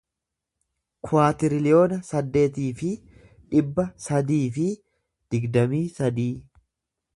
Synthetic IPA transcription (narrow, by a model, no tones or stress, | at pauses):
kʰʊaːt̪ɪɾɪlɪjo̞ːnɐsɐd̪ːe̞ːt̪̬iːfɪ | ᶑɪbːɐsɐd̪iːfɪ | d̪̥ɪɡd̪ɐmiːsɐd̪iː